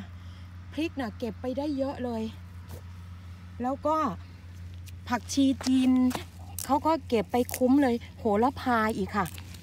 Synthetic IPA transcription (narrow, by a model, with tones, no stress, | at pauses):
pʰli˦˥k̚na˧˩ke˨˩pːa˧jda˥˩˨jːɤ˦˥ʔlɤː˧j | lɛː˦˥wkɔː˥˩ | pʰa˨˩k̚t͡ɕʰiː˧t͡ɕiː˧n | kʰa˦˥wkɔː˥˩ke˨˩pːa˧jkʰu˦˥mlɤː˧jhoː˩˦la˧˥pʰaː˧jʔiː˨˩kʰːa˥˩